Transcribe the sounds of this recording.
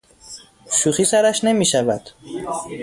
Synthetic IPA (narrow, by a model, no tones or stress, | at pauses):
ʃuːxiːsæɾæʃne̞miːʃævæd̪̥